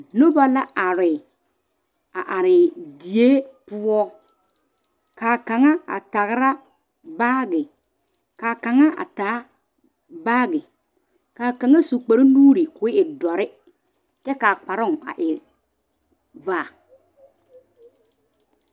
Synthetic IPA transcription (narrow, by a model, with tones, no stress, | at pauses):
no˦ba˦la˦ʔa˨ɾɪ˨ | a˨ʔa˨ɾɪ˨di˨e˦pʊ˦ɔ˦ | kaː˨ka˨ŋa˦a̰˨ta˨ɣɾa˦ | baː˦ɡɪ˨ | kaː˨ka˨ŋa˦a̰˨taː˨˦ | baː˦ɡɪ˨ | kaː˨ka˨ŋa˦su˨k͡pe˨ɾi˦nuː˦ɾi˨kʊ˨˦ɪ˦ɪ˨dɔ˨ɾɪ˦ | kɛ˦ka˨k͡pa˨ɾʊ˦ŋa̰˨ʔɪ˨ | vaː˦˨